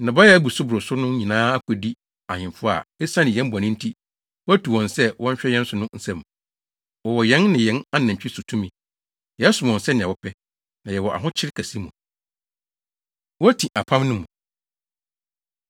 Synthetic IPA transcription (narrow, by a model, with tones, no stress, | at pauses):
nã˨ba˦jɛ˦æ˦bu˨sʊ˦bʊ˨ɾʊ˨sʊ˦nʊ̃˦ɲĩ˨nãː˦a˦kʷʰɛ˨di˦ | a˨ɲɪ̃˨fʊ˦a̰˨ɛ˦sã˦nɪ̃˨jɛ̃˦m˦bɔ˨nɪ̃˦n̩˦tʰi˦ | wæ˦tʰu˨wɔ̃˨nsɛ˦wɔ̃˦ɲ˦ɕᶣɛ˦jɛ̃˦n˦sʊ˨˦nʊ̃˦n̩˨sɛ̃˦˨m˨ | wɔ˨wɔ˨jɛ̃˦nːɪ̃˨jɛ̃˦na˦nã˨t͡ɕᶣʰi˦su˨tʰũ˦mĩ˨ | jɛ˨a˦sʊ˨m˨ɔ̃˨nsɛ˦nɪ̃˨ɛ˨wɔ˦pʰɛ˦ | nã˨jɛ˨wɔ˨ʔa̰˨ɦʊ̃˦t͡ɕʰɪ˦ɾkʰæ˨si˦mṵ̃˨ | wɔ˦æ˦tʰĩ˨ʔa˨pʰã˦mnʊ̃˦mũ˨